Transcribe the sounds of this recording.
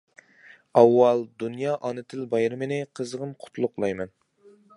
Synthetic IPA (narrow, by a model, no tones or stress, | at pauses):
ɑwːɑlˠd̪unjɑːʔɑnɨt̪ʰɪlbɑjɾɨmɪnɪqʰəzəʁəmqʰʊ̥t̪ʰlˠʊqlˠɑjmɛn